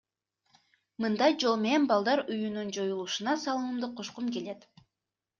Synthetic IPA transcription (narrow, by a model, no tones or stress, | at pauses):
mɯnd̪ɑjd͡ʒo̞lˠme̞ne̞nbɑlˠd̪ɑɾyjynynd͡ʒo̞julˠuʃunɑsɑlˠɯnɯmd̪ɯqʰoʃqumke̞le̞t̪